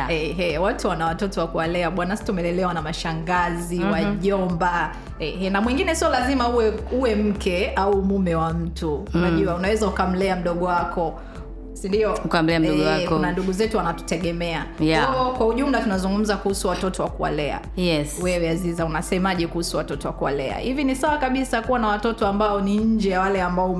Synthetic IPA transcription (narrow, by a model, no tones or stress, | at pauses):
ɛɦɛwatuwanawatɔtɔwakuwalɛaɓwanasi̥tumɛlɛlɛwanamaʃaŋɡaziwaʄɔmba | ɛhɛnamwɛŋɡinɛsiɔlazimauwɛuwɛm̩kʰɛaumumɛwam̩tuːnaʄuwaunawɛzaukam̩lɛam̩ɗɔɠɔwakɔ | sindiɔukam̩lɛam̩ɔɡɔaknanduɠuzɛtuwanatu̥tɛɠɛmɛaɔɔkwauʄum̩latunazuŋɡum̩zakuhusuwatɔtɔwakuwa̰lɛa̰ | jɛswɛwɛazizaunasɛmaʄɛkuhusuwatɔtɔwakuwa̰lɛ̰a̰hivinisawakaɓisakuwanawatɔtɔambaɔniɲ̩d͡ʒɛjawalɛambaɔm